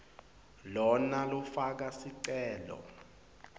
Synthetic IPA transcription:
lɔnalɔfak̬asiǀɛːlɔ̰

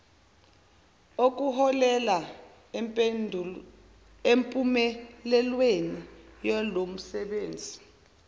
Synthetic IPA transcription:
ok̬ʼuɦɔlɛla | empʼumɛlɛlwenijɔlom̩sɛɓeːnd͡zʱi

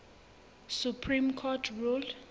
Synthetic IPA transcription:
supʰrimkʰɔtʰrul

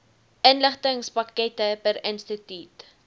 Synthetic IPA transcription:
ʔənləχtəŋspɐkɛtəpəɾənstətyt

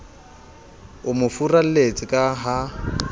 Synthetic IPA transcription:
ʊmʊfural̩let͡sʼɪkʼaɦa

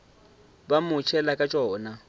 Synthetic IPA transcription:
bamʊt͡ʃʰɛlakʼat͡ʃʼɔːna

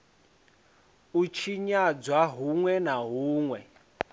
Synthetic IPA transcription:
ut͡ʃʰiɲad͡zwaɦuŋwɛnaɦuːŋwɛ

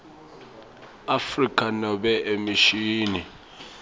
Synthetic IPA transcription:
afrikʰʼanɔɓɛʔemiʃiːni

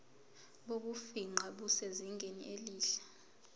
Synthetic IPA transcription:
ɓok̬ufiŋ͡ǃaɓuseziŋɡʱenḭʔeliːɬḁ

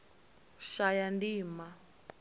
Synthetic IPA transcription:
ʃajandiːma

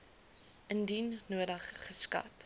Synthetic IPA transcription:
ʔəndinnuədəχːəskɐ̰t

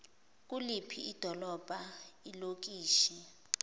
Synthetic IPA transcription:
k̬ʼulipʰiid̥ʱɔlɔb̥ʱailok̬iːʃɛ

